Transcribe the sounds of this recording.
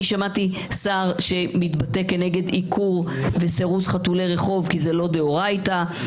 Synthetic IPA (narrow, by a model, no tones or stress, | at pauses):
iʃamat̪i | saʁʃe̞mit̪bate̞kːe̞ne̞ɡe̞d̪ikʰuʁve̞seʁusχatuleʁe̞χo̞vkize̞lo̞deoʁajta